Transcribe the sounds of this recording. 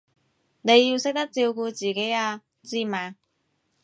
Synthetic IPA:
ne˨˧jiː˧wsɪ˥k̚t̪ɐ˥k̚t͡siː˧wkuː˧t͡siː˨˩ke˨˥jaː˧ | t͡siː˧maː˨ŋ

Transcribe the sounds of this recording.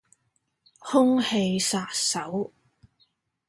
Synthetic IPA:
hʊ˥ŋhe˧jsaː˧t̚sɐ˨˥w

